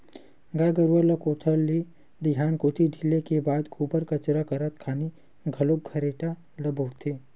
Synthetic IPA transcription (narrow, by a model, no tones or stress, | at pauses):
ɡaːɡəɾuəlɐkoːʈ̪ʰəlːi | d̪ɪɦaːnkoːt̪ʰiɖʱilekebaːd̪kʰuːbəɾkɐt͡ʃɾakəɾət̪kʰaːni | ɡʱɐlok̚ɡʱɐɾeːʈa | lɐbəːt̪ʰeː